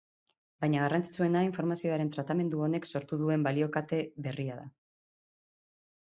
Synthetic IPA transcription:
bajɲaɣ̞arant͡si̥t͡sue̞naiɱfo̞ɾmasio̞aɾe̞nt̪ɾat̪ame̞nd̪uo̞ne̞kso̞ɾt̪uðue̞mbalio̞kat̪e̞βe̞riaða

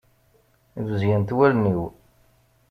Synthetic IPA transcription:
ðəzjænt̪wælniw

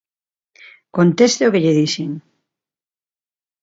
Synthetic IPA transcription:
kont̪est̪eokeʎeðisiŋ

